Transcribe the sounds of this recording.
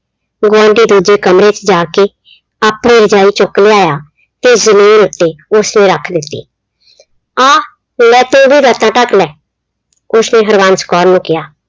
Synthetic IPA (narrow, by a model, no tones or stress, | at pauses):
ɡʊãːɳɖiːd̪uːd͡ʒeːkəmɾeːt͡ʃd͡ʒaːkeː | apiːɾd͡ʒaːiːt͡ʃʊkleːaːjaː | t̪eːzəmiːnʊt̪ːeːʊsnẽːɾəkʰd̪ɪt̪ːḭː | aː | lɛːt̪õːbʱiːɾət̪ãːʈəkʰlɛː | ʊsneːɦəɾʋãːnsə̥kɔːɾnũːkɪjaː